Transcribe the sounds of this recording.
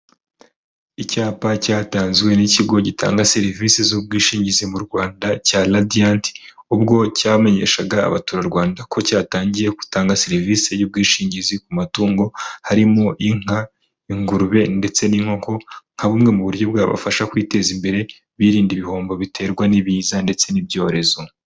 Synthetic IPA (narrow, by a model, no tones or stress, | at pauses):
icaːpacaːtaːnzwe̞niciɡo̞ɟita̰ːŋɡase̞ɾiviːsezuːb̚ɡiːʃiːɲɟizimuɾɡwaːndacaːladiantub̚ɡo̞caːme̞ɲe̞̰ʃaɡa̰ːβatuːɾaɾɡwaːndakʰo̞caːtaːɲɟije̞ku̥taːŋɡase̞ɾiviːse̞juːb̚ɡiːʃiːɲɟizikumatuːŋɡo̞haɾimo̞ʔiŋ̥a | iŋɡuɾuβe̞nde̞t͡se̞niŋhoŋkoŋ̥haβuːmŋe̞muβuɾjo̞b̚ɡaːβa̰faʃakwiːte̞zimbe̞ɾe̞ | βiɾiːndiβiho̞ːmbo̞βite̞ːɾɡwaniβiːzande̞t͡se̞nibjo̞ːɾe̞zo̞